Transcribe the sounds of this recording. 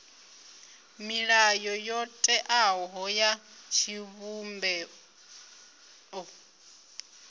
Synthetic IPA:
miɺajɔjɔtʼɛʔaɦɔjat͡ʃʰiβumbɛ | ɔ

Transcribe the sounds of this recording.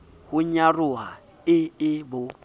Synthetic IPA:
hʊɲarʊa | ɪɪbʊ

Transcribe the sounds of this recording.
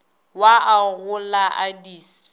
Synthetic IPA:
waʔaɣʊlaʔadiːs

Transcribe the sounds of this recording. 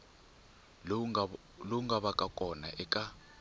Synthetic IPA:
loŋɡaɓakʼakʼɔnaʔɛkʼa

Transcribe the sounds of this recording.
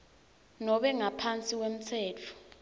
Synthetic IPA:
nɔɓɛŋapʰant͡sʼikwem̩t͡sʰɛːt͡fʰu̥

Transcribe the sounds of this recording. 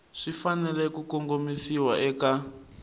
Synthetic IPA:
ʂifanɛlɛkukoŋɡomisiwaʔɛka

